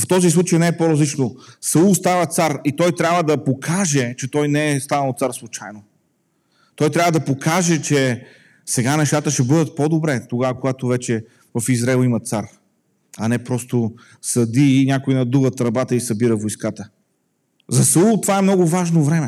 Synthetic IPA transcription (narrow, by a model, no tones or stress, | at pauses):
ft̪ɔzislˠut͡ʃəjnɛɛpoɾɐzlit͡ʃnosɐulˠst̪avət̪saɾit̪ɔjt̪ɾʲabvəd̪ɐpokʰaʒɛt͡ʃɛt̪ɔjnɛɛst̪anɐlˠot̪saɾslˠut͡ʃajno | t̪ɔjt̪ɾʲabvəd̪ɐpokʰaʒɛt͡ʃɛ | sɛɡanɛʃt̪at̪əʃɛbɤd̪ət̪̚pod̪obɾɛt̪oɡavəkoɡat̪ovɛt͡ʃɛ | vɐfizɾaɛlˠimɐt̪saɾ | ɐnɛpɾɔst̪o | sɐd̪iːnʲjakoinɐd̪uvət̪ɾɐbat̪əisɐbiɾəvojskat̪ə | zɐsɐulˠt̪ovaɛmnɔɡʊvaʒnovɾɛmɛ